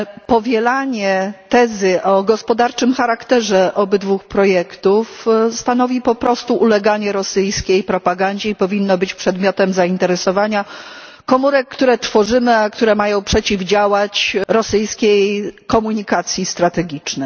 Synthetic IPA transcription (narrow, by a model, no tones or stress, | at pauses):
pɔvʲjɛlaɲɛt̪ɛzɘʔɔɡɔspɔd̪aɾt͡ʂɘmxaɾakt̪ɛʐɛʔɔbɘd̪vuxpɾɔjɛkt̪ufst̪anɔvʲipɔpɾɔst̪uʔulɛɡaɲɛɾɔsɘjskʲejpɾɔpaɡaɲd͡ʑeipɔvʲinːɔbɘt͡ɕpʂɛd̪mʲjɔt̪ɛmzaint̪ɛɾɛsɔvaɲa | kɔmuɾɛkːt̪uɾɛt̪fɔʐɘmɘakt̪uɾɛmajɔ̃w̃pʂɛt͡ɕivd͡ʑawat͡ɕɾɔsɘjskʲejkɔmuɲikat̪sʲjist̪ɾat̪ɛɡʲit͡ʂnɛ